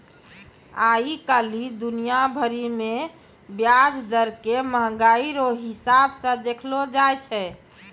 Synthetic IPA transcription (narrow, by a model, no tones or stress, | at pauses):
aikəlid̪unijabʱəɾime | bjad͡ʒd̪əɾkeməɦɡaiɾoɦisabsə̃d̪ekʰlod͡ʒajt͡ʃʰɛ